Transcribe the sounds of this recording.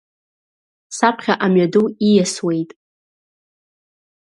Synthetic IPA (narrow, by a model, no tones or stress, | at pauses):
sapʰχʲaʔamɥaduijaswe̞jtʼ